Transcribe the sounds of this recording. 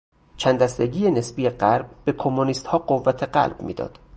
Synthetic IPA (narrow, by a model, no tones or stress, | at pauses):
t͡ʃʰænd̪æst̪e̞ɟiːjene̞sbiːjeɢæɾb̚be̞kʰomːoniːst̪hɒːɢovːæt̪ʰe̞ɢæ̰lb̥mḭːd̪ɒ̰ːd̪̥